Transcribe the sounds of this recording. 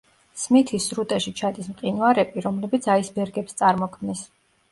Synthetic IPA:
smit̪ʰisɾut̪ʼɛʃit͡ʃʰad̪ismqʼinaɾɛpʼiɾɔmlɛbit̪sʰaisbɛɾɡɛpst̪sʼaɾmɔkʰmnis

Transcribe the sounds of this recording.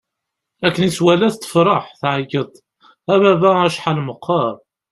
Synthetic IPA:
ækːəniswælæθt̪ːə̥fɾˤɑħθʕəɡəðˤ | æβæbææʃħalməqːɑɾˤ

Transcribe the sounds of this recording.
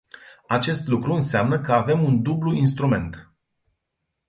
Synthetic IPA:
at͡ʃe̞st̪lukɾuɨnseamnəkəave̞mund̪ubluinst̪ɾume̞̰nt̪

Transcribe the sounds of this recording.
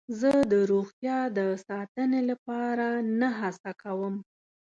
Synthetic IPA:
zəd̪əɾoɣt̪jɑd̪əsɑt̪ənelapɑɾanaɦasakawəm

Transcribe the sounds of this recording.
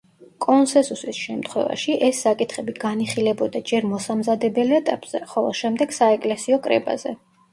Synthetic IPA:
kʼɔnsɛ̃nsusisʃɛmt̪ʰχwɛ̰va̰ʃiʔɛsːakʼit̪ʰχɛbiɡaniχilɛbɔd̪ad͡ʒɛɾmɔsamzad̪ɛbɛlɛt̪ʼapʼz̥ɛ̰χɔlˠɔ̰ʃɛmd̪ɛɡ̥saɛkʼlɛsiɔkʼɾɛ̰ba̰zɛ

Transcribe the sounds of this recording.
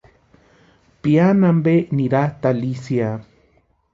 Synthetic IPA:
pianambeniɾat̪alisja

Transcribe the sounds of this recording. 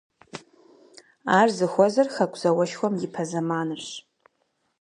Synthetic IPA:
aːrzɨxʷɔzɐrxɐkʷʰʼz̥ɐwɐʃxʷɔmjɪpʰɐzɐmaːnɨrɕ

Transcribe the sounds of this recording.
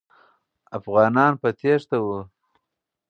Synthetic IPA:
afɣɑːnɑnpat̪eʂt̪awu

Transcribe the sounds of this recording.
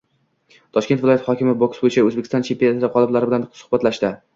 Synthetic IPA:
t̪ʰɒʃkʲe̞t̪vɪlˠɒjat̪hɒkʲɪmɪboksbojɪt͡ʃʰaɵzbekʲʰːɪst̪ɒnt͡ʃʰempejat̪ɪd̪aqʰɒlˠɪblaɾɪbɪlansʊ̥hbat̪laʃt̪ɪ

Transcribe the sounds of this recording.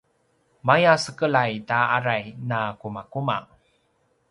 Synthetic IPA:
majasəkəlajtaaɾajnakumakuma̰

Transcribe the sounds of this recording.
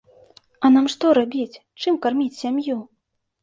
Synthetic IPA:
ɐnamʂt̪ɔɾabʲit͡sʲ | t͡ʂɨmkarmʲit͡sʲsʲamju

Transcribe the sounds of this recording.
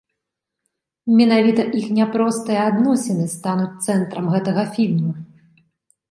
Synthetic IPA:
mʲɛnavʲit̪ɐʔixnʲɛpɾɔst̪ɨjɛad̪nɔsʲɛnɨst̪an̪ut͡sʲt̪sɛnt̪ɾɐmɣɛt̪ɐɣɐfʲilʲmu

